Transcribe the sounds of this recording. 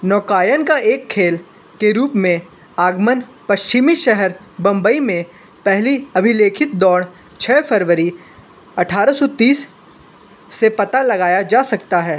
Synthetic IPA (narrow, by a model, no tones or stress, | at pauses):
nɔːkaːjənkaʔeːkʰːeːl | keɾuːpmẽ | aːɡmənpɐʃt͡ʃɪmiʃɛɦəɾ | bɐ̃mbəimẽ | pɛɦliɐbʱɪleːkʰɪt̪̚d̪ɔːɽ | t͡ʃʰɛːfɐɾʋəɾi | ɐʈʰaːɾəsɔt̪iːs | epɐt̪alɐɡaːjad͡ʒaːsɐkt̪aɦɛː